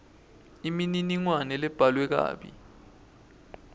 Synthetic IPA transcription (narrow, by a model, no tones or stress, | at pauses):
imininiŋwanɛlɛb̥ʱalwɛk̬a̰ːɓḭ